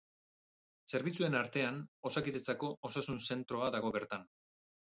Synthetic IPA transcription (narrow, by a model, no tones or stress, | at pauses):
se̞ɾβit͡sue̞naɾt̪e̞ano̞sakit̪et͡sako̞ʔosasunse̞nt̪ɾo̞aðaɣ̞o̞βe̞ɾt̪an